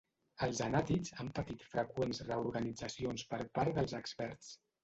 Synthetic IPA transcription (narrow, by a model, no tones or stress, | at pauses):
əlˠzənat̪izampət̪it̪fɾəkwenzrəuɾɣənid͡zəsionspəɾpaɾd̪əlˠzəkspɛɾt͡s